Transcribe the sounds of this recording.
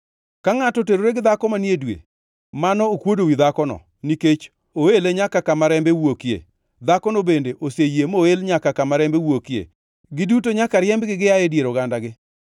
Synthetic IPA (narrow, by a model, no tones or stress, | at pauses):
kaŋatɔteɾoɾeɡɪd̪akɔmanjedwḛ | manɔokwodowid̪akɔnɔ̰ | niket͡ʃ | oeleɲakakamaɾɛmbewokjḛ | d̪akɔnobendeʔosejemoelɲakakamaɾɛmbewokjḛ | ɡɪdutoɲakaɾjɛmbɡɪɡɪjajedjeɾoɡandaɡɪ